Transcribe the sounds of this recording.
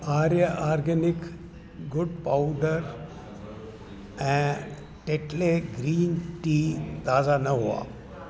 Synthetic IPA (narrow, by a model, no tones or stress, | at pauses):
aːɾjəʔaɾɡənik | ɡuɖ̚pawɖəɾ | ɛ̃ | ʈeʈleɡɾiːnʈiːt̪aːd͡zanəɦoa̰